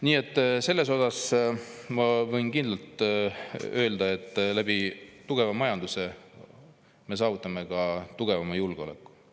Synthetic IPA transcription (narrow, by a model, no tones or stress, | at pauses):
niːe̞t̪ːˑse̞lːe̞s̬o̞sɑs | mɑvɤjnkind̪lɑlt̪ | ø̞ːld̪ɑe̞t̪ːˑlæb̥iːuɡ̥e̞vɑmɑjɑnd̪use̞ | me̞s̬ɑːvut̪ˑːɑme̞kɑt̪uɡ̥e̞vɑmɑjulɡeo̞̰le̞̰kːu̥